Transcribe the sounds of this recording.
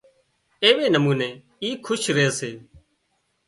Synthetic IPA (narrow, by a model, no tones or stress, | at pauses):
eːʋeːnəmuːneː | iːkʰʊʃɾeːseː